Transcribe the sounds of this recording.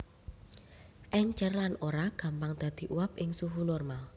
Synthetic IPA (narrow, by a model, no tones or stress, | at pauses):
ʔɛɲt͡ʃərlanoɾaɡ̥ä̤mpaŋd̪̥ä̤d̪̥i̤ʔuwap̚ʔɪŋsuɦunɔrmal